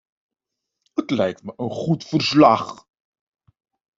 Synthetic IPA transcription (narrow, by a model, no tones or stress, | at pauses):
hətlɛjk̚tməʔənχutfərslɑχ